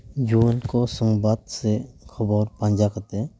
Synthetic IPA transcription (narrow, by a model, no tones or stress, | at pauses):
d͡ʒuəlkɔsɔŋbad̪sɛkʰɔbɔɾpãɲd͡ʒakat̪ɛ